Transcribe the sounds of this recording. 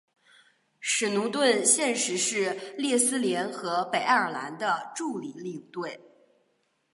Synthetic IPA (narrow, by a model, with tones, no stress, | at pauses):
ʂɻ̩˨˩nu˧˥ŋt̪wə˥˧nɕjɛ˥˧nʂɻ̩˧˥ʂɻ̩˥˧ljɛ˥˧˩sɹ̩˥ljɛ˧˥nxɤ˧˥pe˨˩ɪ˥˩ə˞˨˩la̰˧˥nd̪ə˧ʈ͡ʂu˥˩li˨˩li˥˧t̪we˥˩ɪ